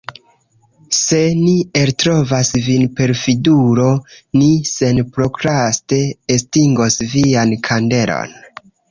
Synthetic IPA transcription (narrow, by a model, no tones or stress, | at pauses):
se̞nieltɾo̞vasvinpe̞ɾfiduɾo̞nise̞npɾo̞kɾaste̞ːstiŋɡo̞sviankʰande̞ɾo̰n